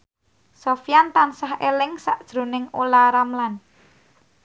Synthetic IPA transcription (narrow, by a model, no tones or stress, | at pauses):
sofijant̪ansahelɪŋsaʔd̥ʒ̥ɾo̤nɪŋolaɾamlan